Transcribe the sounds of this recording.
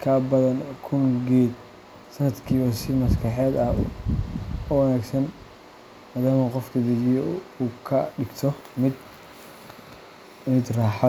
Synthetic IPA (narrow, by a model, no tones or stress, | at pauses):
kʰɐbɐðɐnkʰʊŋɡɛːd̪ | sɐnɐd̪kʰiːβɐsɪmɐskʰɑħɛːd̪ɐ | ʊwɐnaːɡsɐn | maːðaːmɐqɔfkɐd̪ɛd͡ʒɪjɔuːkʰɐɖɪɡt̪ʰɔmɪd̪ | mɪd̪raːħɑ